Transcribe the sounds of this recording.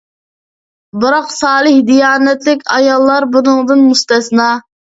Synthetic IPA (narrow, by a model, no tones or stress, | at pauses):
bɨɾɑqsɑːlˠɨhd̪ijɑːnɛt̪lɪkʲɑjɑlˠːɑɾbunɨŋd̪ɨnmust̪ɛsnɑ